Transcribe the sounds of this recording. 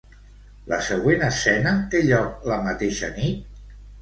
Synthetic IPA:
lə̰səɣ̞wenəsɛnət̪eʎɔk̚ləmət̪eʃə̰nit̪̚

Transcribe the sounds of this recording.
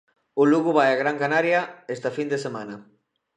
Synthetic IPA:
ʊluɣʊβajaɣɾaŋkanaɾjɐest̪ɐfind̪esemanɐ

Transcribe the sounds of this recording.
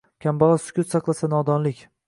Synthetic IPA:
kʲʰambɒʁasʊ̥kʲʊt̪sɑqlˠasanɒd̪ɒnlɪkʲ

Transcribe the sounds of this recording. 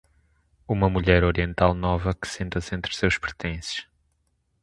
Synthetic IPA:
umɐmuʎɛɾoɾiẽnt̪alˠnɔvɐkɨ̥sẽnt̪ɐsẽnt̪ɾsewʃpɾɨt̪ẽsɨ̥ʃ

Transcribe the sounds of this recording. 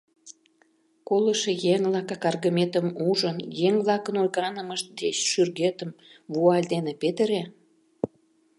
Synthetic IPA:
koləʃejeŋvlɑkɑkɑrɣəmet̪əmuʒənjeŋvlɑkənojɣɑnəməʃt̪̚d̪eɕʃyrɣet̪əmβuɑlʲd̪enepet̪əɾe

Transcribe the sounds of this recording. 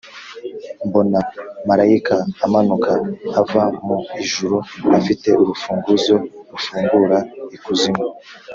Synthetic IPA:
mbo̞namaɾaikaːmanukaːvamuiʒuɾuafite̞ʔuɾufuːŋɡuzo̞ɾufuːŋɡuɾaikuzimo

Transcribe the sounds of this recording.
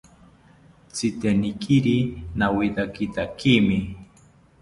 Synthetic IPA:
t͡sit̪enikʰiɾinawid̪akit̪akimɪ

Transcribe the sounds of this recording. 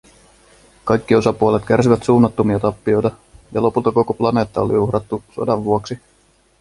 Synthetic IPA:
kɑjkːio̞sɑpuolet̪k̟æɾs̬iʋæt̪suːnːɑt̪ːomiɑt̪ɑpːio̞jt̪ɑ | jɑlo̞pult̪ɑko̞koplɑne̞ːt̪ːɑolḭuhɾɑt̪ːuso̰dɑʋːuoksi

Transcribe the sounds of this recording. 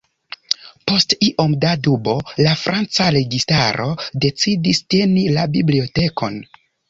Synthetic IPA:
po̞stiʔomdadubo̞lafɾʔant͡saɾe̞ɡistaɾʔo̞de̞t͡sidiste̞nilabiblio̞te̞kʰo̞̰n

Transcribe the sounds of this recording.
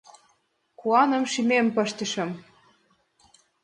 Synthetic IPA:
kuɑnə̆mʃimempɤ̆ʃt̪ə̆ʃɤ̆m

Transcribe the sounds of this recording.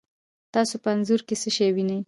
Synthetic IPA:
t̪ɑsopəanzuɾkesəʃajwinaj

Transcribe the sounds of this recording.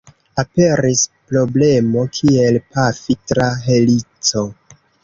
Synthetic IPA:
ape̞ɾispɾo̞ble̞mo̞kʰie̞lpafitɾaɦe̞lit͡so̞

